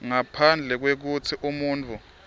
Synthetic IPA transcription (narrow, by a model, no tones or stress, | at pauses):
ŋapʰand͡ɮʱɛk̬wek̬utʰiʔumuːnt͡fʰʼu